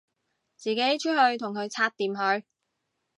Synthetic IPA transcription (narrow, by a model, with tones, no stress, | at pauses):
t͡siː˨ke˨˥jt͡ʃʰɵ˥hɵ˧ɥt̪ʰʊ˨˩ŋkʰɵ˨˧ɥt͡sʰaː˧t̚t̪ːiː˨mɦɵ˨˧ɥ